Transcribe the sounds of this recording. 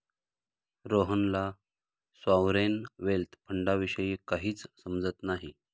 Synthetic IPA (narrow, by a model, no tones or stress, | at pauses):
ɾoɦənla | sʋawɾenʋelt̪ʰpʰəɳɖaʋiɕəjikaɦiːt͡ssəmd͡zət̪naɦi